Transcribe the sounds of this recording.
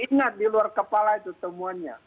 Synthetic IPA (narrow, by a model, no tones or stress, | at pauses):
iŋat̪̚diluarkəpalait̪ut̪əmuanɲa̰